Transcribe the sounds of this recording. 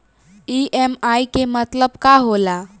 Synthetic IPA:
iʔemajkemət̪ləbkaɦola

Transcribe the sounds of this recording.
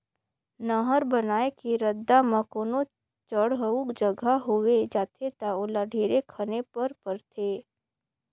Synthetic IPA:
nəɦəɾbənaːekiɾəd̪ːamə̃koːno | t͡ʃəɽɦəukd͡ʒəɡʱaɦoʋed͡ʒaːt̪ʰet̪aolaɖʱeːɾekʰənepəɾpəɾt̪ʰeː

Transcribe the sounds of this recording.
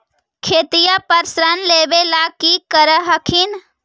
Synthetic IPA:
kʰeːt̪ijapəɾsɾənleːbelaːkiːkəɾəɦəkʰin

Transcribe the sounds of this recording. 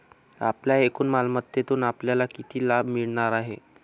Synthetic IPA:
apljaekuːnmalmət̪ːjet̪uːnapljalakit̪iːlabʱmiɭɳaɾaɦe

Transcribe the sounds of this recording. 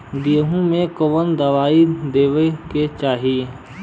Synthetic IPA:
ɡiɦũmẽkoʋənd̪ɐʋaːid̪eːʋəket͡ʃaːɦiː

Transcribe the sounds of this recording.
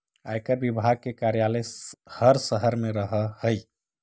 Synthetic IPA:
a̰jkəɾbibʱaɡ̚kekaɾjaləhəɾsəɦəɾmeɾəɦəhəj

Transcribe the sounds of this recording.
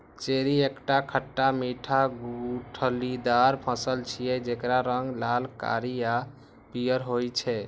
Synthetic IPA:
t͡ʃeɾiekʈakʰəʈːamiʈʰaɡuʈʰəlid̪aɾpʰə̃səlt͡ʃʰijɛd͡ʒekɾaɾəŋɡlalka̰ɾija | pijəɾɦojt͡ʃʰɛ

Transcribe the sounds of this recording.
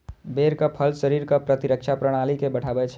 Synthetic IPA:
beɾkəpʰəlsəɾiɾkəpɾət̪iɾəkt͡ʃʰapɾəɽ̃alikebəʈʰabɛt͡ʃʰ

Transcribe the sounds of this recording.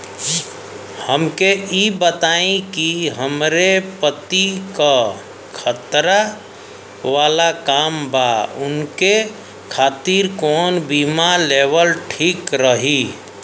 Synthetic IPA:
həmkeibət̪aẽkiɦəmɾepət̪ika | kʰət̪ɾa | ʋaːlakaːmbaʊnke | kʰaːt̪iɾkɔːnbimaleːʋəlʈʰiːkɾəɦi

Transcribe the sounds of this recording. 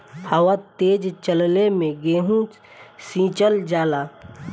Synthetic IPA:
həwat̪eːd͡ʒt͡ʃəllemẽɡeːɦũ | sĩːt͡ʃəld͡ʒaːlaː

